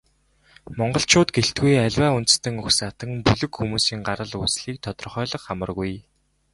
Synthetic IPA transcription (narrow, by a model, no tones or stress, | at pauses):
mɔɴɢɞ̆ɬt͡ɕʰʊːt̪ɡeɬt̪ɡujæɮʲwæːunt̪̆st̪ɘ̆ŋɵxsat̪ə̆ŋpuɮɵ̆kxumuːsiːŋɢaɾə̆ɮusɮiːk̚t̪ʰɔt̪ɞ̆rχœːɮɞ̆χamə̆rɣuj